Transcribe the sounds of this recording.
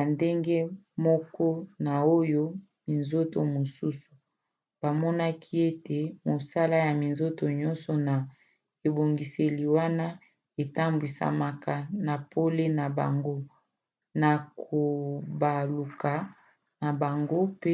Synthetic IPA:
a˨nde˦ŋɡe˦mɔ˦kɔ˦na˨o˦jo˦ | mi˨nzo˦to˨mo˨su˦su̥˨ | b̥a˨mɔ˦na˦kʰi˦e˦te˨mo˨sa˦la˦ja˨mi˨nzo˦to˨ɲɔ˦nsɔ˨na˨ | e˨bo˨ŋɡi˨se˨li˨wa˦na˦ | e˨ta˦mbi˨sa̰˨ma˨ka˨na˨po˦le˦na˨ba̰˨ŋɡo˦ | na˨kʰo˨ba˨lu˨kʰa˨ | na˨ba˨ŋɡo˦pe˦

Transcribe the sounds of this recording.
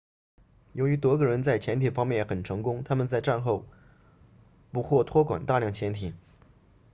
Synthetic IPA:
jo˧˥ʊy˧˥t̪wɔ˧˥ɡə˧ɻə˧˥nt͡sa˥˩ɪt͡ɕʰjɛ˧˥nt̪ʰi˨˩fɑ˥ŋmjɛ˥˩njxə˨˩nʈ͡ʂʰɤ˧˥ŋkʊ˥ŋt̪ʰa˥mə˨nt͡sa˥˧ɪʈ͡ʂa˥˧nxo˥˩ʊ | pu˧˥xwɔ˥˩t̪ʰwɔ˥kwa̰˨˩nt̪a˥˧ljɑ˥˩ŋt͡ɕʰjɛ˧˥nt̪ʰi˨˩˦

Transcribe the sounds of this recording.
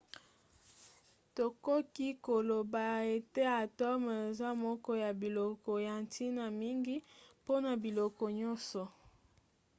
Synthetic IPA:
to˨ko˦ki˦ko˨lo˨ba˨e˨te˦a˨tɔ˦me˨za˦mɔ˦kɔ˦ja˨bi˨lɔ˨kɔ˨ja˨ntʰi˦na˨mi˦ŋɡi˦po˦na˨bi˨lɔ˨kɔ˨ɲɔ˦nsɔ˨

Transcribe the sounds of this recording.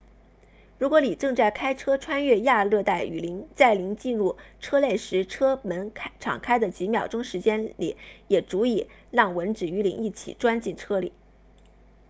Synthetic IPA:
ɻu˧˥kwɔ˧˥li˨˩ʈ͡ʂɤ˥˧ŋt͡sa˥˩ɪkʰa˥ɪʈ͡ʂʰɤ˥ʈ͡ʂʰwa˥nɥɛ˥˧ja˥˧lɤ˥˧t̪a˥˩ɪy̰˨˩li˧˥ŋt͡sa˥˩ɪli˧˥ŋt͡ɕi˥˧nɻu˥˩ʈ͡ʂʰɤ˥le˥˩ɪʂɻ̩˧˥ʈ͡ʂʰɤ˥mə˧˥nʰ˥ʈ͡ʂʰɑ̰˨˩ŋkʰa˥ɪd̪ə˨t͡ɕi˧˥mjɑ˨˩ʊʈ͡ʂʊ˥ŋʂɻ̩˧˥t͡ɕjɛ˥nlḭ˨˩˦jɛ˨˩ʈ͡ʂu˧˥i˨˩ | lɑ˥˩ŋwə˧˥nʈ͡ʂɻ̩˨˩y˧˥li˧˥ŋi˥˩t͡ɕʰḭ˨˩ʈ͡ʂwa˥nt͡ɕi˥˩nʈ͡ʂʰɤ˥lḭ˨˩˦

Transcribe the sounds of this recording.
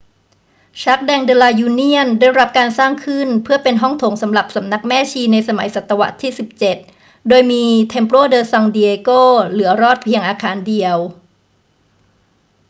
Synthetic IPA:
t͡ɕʰa˦˥k̚dɛː˧ŋdɤː˧laː˧juː˧ni˥˩əndaː˥˩jɾa˦˥p̚kaː˧nsaː˥˩ŋkʰɯ˥˩npʰɯ˥˩ɐpe˧nɦɔ˥˩ŋt̪ʰo˩˦ŋsa˩˦mɾa˨˩p̚sa˩˦mna˦˥k̚mɛː˥˩t͡ɕʰiː˧na˧jsa˧ma˩˦jsa˨˩t̪ːa˧wa̰˦˥t̪ʰiː˥˩si˨˩p̚t͡ɕe˨˩t̪̚ | doː˧jmiː˧t̪ʰe˧mpɾoː˥˩dɤː˧sɔ˧ŋdiː˧ʔe˧koː˥˩lɯ˩˦ɐɾɔː˥˩t̪̚pʰi˧əŋʔaː˧kʰaː˧˥ndi˧əw

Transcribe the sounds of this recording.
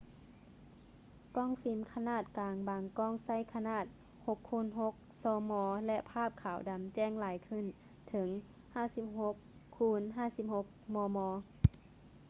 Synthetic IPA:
kɔː˥˨ŋfi˨˦mkʰa˧naː˧˥˩t̪̚kaː˨˩ŋbaː˨˩ŋkɔː˧˥˩ŋsa˧˥˨jkʰa˧naː˧˥˩t̪̚ | ho˧kʰːuː˧˥˨nɦo˧˦˥k̚sɔː˧˦mɔː˧lɛ˧ʔpʰaː˥˨p̚kʰaː˨˩wda˨mt͡ɕɛː˧˩˨ŋlaː˨˦jkʰɯ˧˥˨n | t̪ʰɤ˨˦ŋ | haː˧˩˨si˧˥p̚ho˧˦˥kʰːuː˧˥nɦaː˧˩˨si˧˥p̚ho˧˥k̚mɔː˧mɔː˧˦

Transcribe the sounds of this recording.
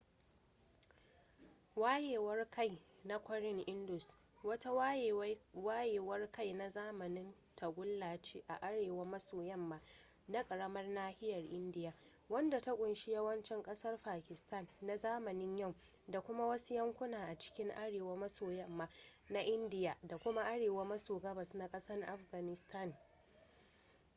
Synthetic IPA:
waː˦jeː˨wɐ˦rka˦˨jna˦kʷɔ˦ɾɪ˦ŋʔɪ˦ndʊ˨s | wɐ˦ta˦waː˦jeː˨wɐ˦rka˦jna˨zaː˦mɐ˨nɪ˦n | tʰa˨ɡʷʊ˦lːaː˨t͡ʃeː˦ʔa˨ʔa˦ɽeː˨wa˦mɐ˦soː˨jɛ˦˨mːaː˦ | na˦kʼɐ˨ɽɐ˦mɐ˦rnaː˦hɪ˦jɐ˨rʔɪ˦ndɪ˦jaː˨ | wɐ˦nda˨ta˦kʷʼʊ˨nʃi˦jɐ˦wɐ˦nt͡ʃɪ˦ŋkʼɐ˦sɐ˦rɸaː˨kʲɪ˨sta˦˨nːa˨zaː˦mɐ˨nɪ˦ɲjɐ˦˨w | da˨kʷʊ˦ma˦wɐ˦su˦jɐ˦ŋkʷʊ˦naː˨ʔa˨t͡ʃɪ̥˦kʲɪ˦ŋʔa˦ɽeː˨wa˦mɐ˦soː˨jɛ˦mːaː˦na˦ʔɪ˦ndɪ˦jaː˨da˨kʷʊ˦ma˦ʔa˦ɽeː˨wa˦mɐ˦soː˨ɡɐ˦bɐ˨sna˦kʼɐ˦sɐ˦rʔa̰˦ɸɡa˨nɪ˨stʰɐ˦˨n

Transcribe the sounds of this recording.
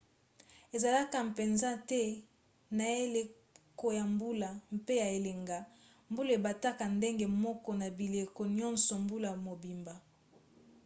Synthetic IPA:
e˨za˨la˦ka˨m˨pe˨nza˦tɛ˦ | na˨e˦le˨ | ko˨ja˨mbu˦la˨mpe˦ja˨e˨le˨ŋɡa˨ | mbu˦le˨ba˨ta˦ka˨nde˦ŋɡe˨mɔ˦kɔ˦na˨bi˨le˨kɔ˨njɔ̃˦nsɔ˨mbu˦la˨mo˨bi˨mba˨

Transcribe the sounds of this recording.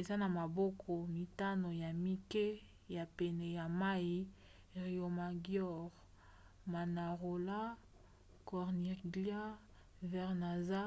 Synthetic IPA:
e˨za˦na˨ma˨bɔ˦kʰɔ˨mi˨ta˦no˨ja˨mi˦ke˦ | ja˨pɛ˨nɛ˨ja˨ma˦i˦ | ʁi˨o˨ma˨ɡjɔ˦˨ʁ | ma˨na˨ʁo˨la˦ | kɔ˨ʁni˨ɡla˦ | vɛ˨ʁna˨za˦

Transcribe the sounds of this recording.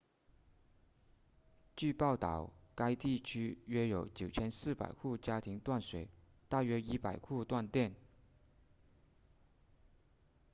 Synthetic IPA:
t͡ɕy˥˧pɑ˥˩ʊt̪ɑ˨˩ʊka˥ɪt̪i˥˩t͡ɕʰy˥ɥɛ˥jo˨˧˥ʊt͡ɕjo˨˩ʊt͡ɕʰjɛ˥nsɹ̩˥˩pa̰˨˩ɪxʰu˥˩t͡ɕja˥t̪ʰi˧˥ŋt̪wa˥˩nswɛ˨˩ | t̪a˥˩ɥɛ˥i˥pa˨˩ɪkʰu˥˧t̪wa˥˧nt̪jɛ˥˩n

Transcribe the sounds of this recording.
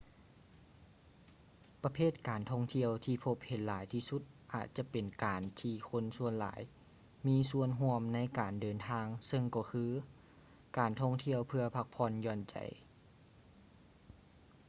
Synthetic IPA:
pa˧pʰeː˥˩t̪̚kaː˨˩nt̪ʰɔ˧˥˩ŋt̪ʰi˧˥˨əwt̪ʰiː˧pʰo˧˥p̚he˨˦nlaː˨˦jt̪ʰiː˧su˧˥t̪̚ʔa̰ː˨˩t̪̚t͡ɕa˧˦pe˨˩nkaː˨nt̪ʰiː˧kʰo˧˥˨nsu˧˥ənla̰ː˩˦j | miː˧˥˨su˧˥˨ənɦu˧˥əmna˧˥˨jkaː˨˩ndɤː˨˩nt̪ʰaː˧˥ŋsɤ˧ŋkɔː˧˩kʰɯː˧˥ | kaː˨˩nt̪ʰɔ˧˥˨ŋt̪ʰi˧˨əwpʰɯ˧əpʰa˧k̚pʰɔː˧˥˨njɔː˧˩nt͡ɕa̰˨˩j

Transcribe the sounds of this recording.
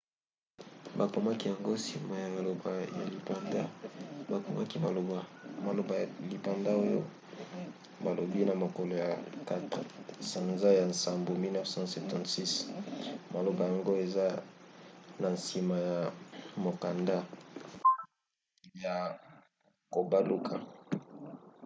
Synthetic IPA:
ba˨ko˨ma˦ki˦ja˨ŋɡo˦si˨ma˨ja˨ja˨lo˨ba˨ja˨li˨pa˨nda˦ba˨ko˨ma˦ki˦ma˨lo˨ba˨ma˨lo˨ba˨li˨pa˨nda˦o˦jo̰˦ | ba˨lo˨bi˦na˨mo˨ko˨lo˨ja˨ka˦tʁsa˨nza˦ja˨nsa˨mbo˨mi˦lnɛ˦fsɑ̃˦sɛ˨ptɑ̃˨tsi˦s | ma˨lo˨ba˨ja˨ŋɡo˦e˨za˦ | na˨nsi˨ma˨ja˨mo˨ka˨nda˦ | ja˨ | ko˨ba˦lu˦kʰa˨

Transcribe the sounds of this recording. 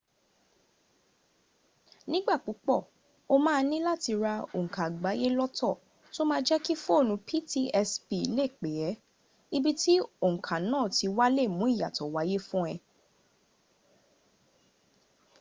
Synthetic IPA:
nĩ˦ɡ͡ba˦˨k͡pu˨˦k͡pɔ˦˨ | o˦mãː˦˧nĩ˦la˦ti˧ɾa˧o̰˨ŋ̩̃˨kã˨ɡ͡ba˨˦je˦lɔ˦tʰɔ˦˨ | to˦mãː˦d͡ʒɛ˦ki˦fu˦o˦˨nũ˧pʰi˦ti˦ɛ˧spi˧i˦le˦˨k͡pe˨jɛ˨˦ | i˦bi˦ti˦o˦˨ŋ̩̃˨kʰã˨nãː˦˨ti˧wa˦le˦˨mũ˨˦i˦˨ja˨tɔ˨wa˨˦je˦fũ˦ɛ˧

